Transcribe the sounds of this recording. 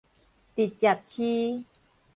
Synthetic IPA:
t̪i˨˩t̪̚t͡ɕa˨˩p̚t͡ɕʰi˦

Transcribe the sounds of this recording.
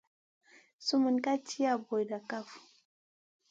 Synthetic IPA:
su˦mu˨nka˦t͡ʃi˦ja˦˨bo˨jda˨ka˦˨fu˨

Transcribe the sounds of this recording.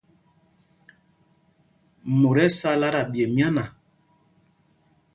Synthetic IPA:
mo˨ɾɛ˦sa˦la˦ɾa˨bje˨mja˦na˨

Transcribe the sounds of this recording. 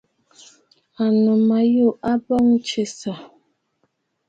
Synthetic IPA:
a˨nɔ˨ma˨jo˦˨ʔa˦bɔ˦ŋ̩˦t͡ʃe˨sa˨

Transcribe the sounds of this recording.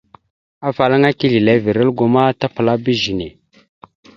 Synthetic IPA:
a˦fa˨la˦ŋa˦ki˦ɮi˨le˦vi˨ɾə˦lɡu˨ma˦ta˦pə˨la˦bi˦ʒi˨ne˨

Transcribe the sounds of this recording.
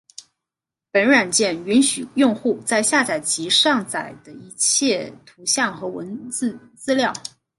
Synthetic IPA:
pə˧˥nɻa˨˩nt͡ɕjɛ˥˩ny˧˥nɕy˨˩jʊ˥˧ŋxu˥˧t͡sa˥˧ɪɕja˥˩t͡sa˨˩ɪt͡ɕi˧˥ʂɑ˥˩ŋt͡sa˨˩ɪd̪̥ə˦i˧˥t͡ɕʰjɛ˥˩t̪ʰu˧˥ɕjɑ˥˩ŋxɤ˧˥wə̰˧˥nt͡sɹ̩˥˧ | t͡sɹ̩˥ljɑ˥˩ʊ

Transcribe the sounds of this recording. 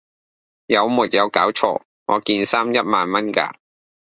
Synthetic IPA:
jɐ˨˧wmuː˨˩t̚jɐ˨˧wkaː˨˥wt͡ʃʰɔ̰ː˧˥ | ŋɔː˨˧kiː˧nsaː˥mjɐ˥t̚maː˨nmɐ˥nka̰ː˧

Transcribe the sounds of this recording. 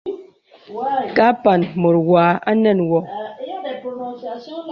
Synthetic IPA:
ka˦pa˨n˨mo˨ɾwaː˨˦a̰˦nɛ˦˨nwɔ˨

